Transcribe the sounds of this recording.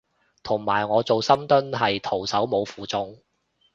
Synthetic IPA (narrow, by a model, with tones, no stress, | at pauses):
t̪ʰʊ˨˩ŋmaː˨˩jŋɔː˨˧t͡so˨wsɐ˥mt̪ɵ˥nɦɐ˨jt̪ʰo˨˩wsɐ˨˥wmo˨˧wfuː˨t͡sʊ˧ŋ